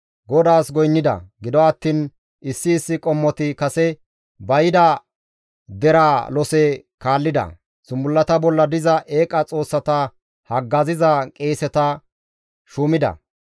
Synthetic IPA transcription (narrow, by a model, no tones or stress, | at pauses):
ɡɔd̪aːsɡɔjnːɪd̪ɐ̰ɡɪd̪ɔɐt̪ːiːn | ʔɪsːɪːsːɪkʼɔmːɔt̪ɪkɐsɛ | bɐjɪd̪ɐ | d̪ɛɾaːlɔsɛkaːlːɪd̪ɐ̰ | sʊmbʊlːɐt̪ɐbɔlːɐd̪ɪzɐʔe̞ːkʼɐt͡sʼo̞ːsːɐt̪ɐ | hɐɡːɐzɪzɐkʼeːsɛt̪ɐ | ʃuːmɪd̪ɐ̰